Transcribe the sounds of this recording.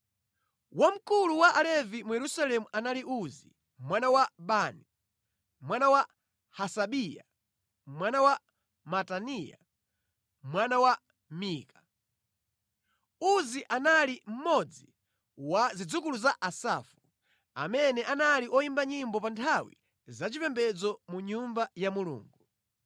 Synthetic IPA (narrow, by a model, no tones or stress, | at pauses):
wam̩kuluwaʔalɛvimujɛɾusalɛmuʔanaliʔuzi | mwanawaɓani | mwanawa | hasaɓija̰ | mwanawa | matanija̰ | mwanawa | miːkḁ | uziʔanalim̩mɔd͡zi | wazid͡zukuluzaʔasafu | a̰mɛnɛʔanaliʔɔjimbaɲimbɔpantʰawḭ | zat͡ʃipɛmbɛd͡zɔmuɲumbajamulṵːŋɡu